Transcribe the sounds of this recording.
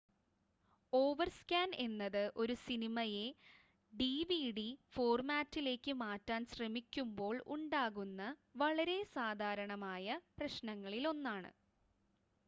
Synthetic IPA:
o̞ːʋɐrskʲaːne̞nːɐðɨʔo̞ɾusinimɐje̞ | ɖiːʋiɽifo̞ːrmaːtːile̞ːkːɨmaːtːaːnɕrɐmikʲːumbo̞ːɭṵɳɖaːɣunːɐʋɐɭɐɾe̞saːd̪ʱaːɾɐɳɐmaːjɐprɐɕnɐŋːɐɭilo̞nːaːɳɨ̰

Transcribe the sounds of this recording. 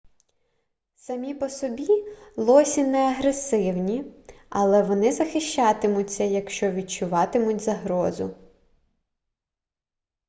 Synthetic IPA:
sɐmʲipɔsɔbʲilˠɔsʲinɛɐɦɾesɪwnʲi | ɐlˠɛʋɔnɪzɐxɪʃt͡ʃɑt̪ɪmʊt͡sʲːɐjɐkʃt͡ʃɔʋʲidt͡ʃʊʋɑt̪ɪmʊtʲzɐɦɾɔzʊ̰

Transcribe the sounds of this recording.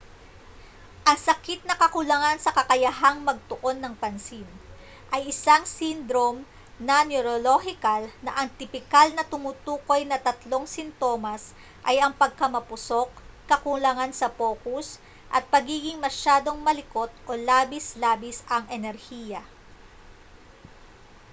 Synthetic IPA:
ʔɐŋsɐkit̪̚nɐkɐkʊlɐŋansɐkɐkɐjɐɦaŋmɐɡ̚t̪ʊʔo̞nːɐŋpɐnsin | ʔɐjɪsaŋsind̪ɾom | nɐnjoɾolohɪkɐlnɐʔɐŋt̪ɪpɪkalnɐt̪ʊmut̪uːko̞jnɐt̪ɐt̪lo̞ŋsɪnt̪o̞ːmɐs | ʔɐjɐŋpɐɡ̚kɐmɐpʊso̞k̚ːɐkʊlɐŋansɐpo̞ːkus | ʔɐ̰t̪̚pɐɡiːɡɪŋmɐʃaːd̪o̞ŋmɐlɪko̞t̪̚ʔo̞laːbislaːbɪsʔɐŋɛnɛɾhiːjɐ

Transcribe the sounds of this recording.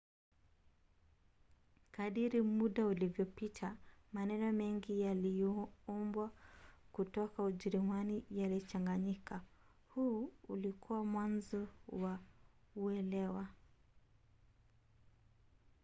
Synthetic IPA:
kaɗiɾimuɗaulivjɔpitʰamanɛnɔmɛŋɡijalijɔɔmbwakutɔkauʄɛɾimanijalit͡ʃaŋɡaɲika | huːulikʰuwamwanzɔwa | uɛlɛwa

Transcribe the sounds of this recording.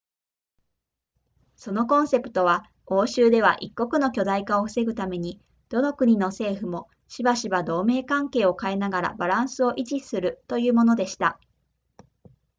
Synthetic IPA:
so̞no̞kõ̞ɰ̃se̞pɯ̟̥t̪o̞β̞a | o̞ːɕɨːd̪e̞β̞a̰ʔikːo̞kɯ̟no̞kʲo̞d̪aikao̞ɸɯ̟se̞ɡɯ̟t̪ame̞ɲ̟i | d̪̥o̞no̞kɯ̟ɲ̟ino̞se̞ːɸɯ̟mo̞ | ɕibaɕibad̪o̞ːme̞ːkãŋke̞ːo̞kaenaɡaɾa̰baɾãɰ̃sɨo̞ʔiʑisɨɾɯ̟t̪o̞jɯ̟ːmo̞no̞d̪e̞ɕi̥t̪a

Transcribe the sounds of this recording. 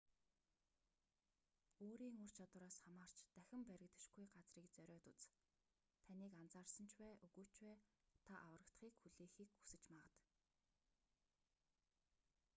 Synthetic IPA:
oːɾiːŋɵr̥t͡ɕʰat̪w̆ɾaːsχamaːr̥t͡ɕt̪æxʲɪ̆mpæɾʲɪ̆kt̪ə̆ʃɡujɢat͡sriːkt͡sœɾʲɔːt̪ut͡s | t̪ʰaniːkant͡saːrsə̆n̥t͡ɕʰwæːʔɵɣuːt͡ɕwæːt̪ʰaʔawə̆rə̆kt̪χiːkxuɮeːxiːkxu̥sɘ̆t͡ɕmaʁə̆t̪

